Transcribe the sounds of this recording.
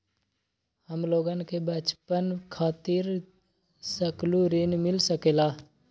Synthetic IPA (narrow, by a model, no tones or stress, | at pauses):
həmloːɡənkebət͡ʃpənkʰaːt̪iɾ | səkluɾinmɪlsəkeːlaː